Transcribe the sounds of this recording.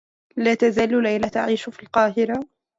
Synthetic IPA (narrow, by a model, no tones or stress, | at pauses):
laːt̪azaːllajlat̪aʕiːʃʊfiːlqɑːɦɪɾa